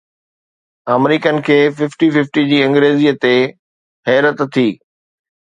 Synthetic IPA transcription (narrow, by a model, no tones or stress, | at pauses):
aːmɾiːkənɪ̆kʰeːfɪfʈifɪfʈid͡ʑiːɐ̃ŋɡɾeːziːət̪e | ɦɛːɾət̪t̪ʰːiː